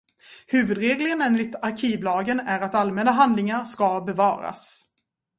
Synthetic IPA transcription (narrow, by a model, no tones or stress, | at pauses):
hʉ̟ːvɵd̪ɾeːɡləɡəneːnlɪɡt̪aɾkʰiːvlɑːɡənæɾat̪almɛnaɦand̪lɪŋaɾʂkɑbɛvɑːɾa̰s